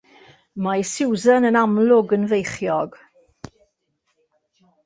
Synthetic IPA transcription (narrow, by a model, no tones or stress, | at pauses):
majsɪwzənənamlˠʊɡənvejχjɔɡ̥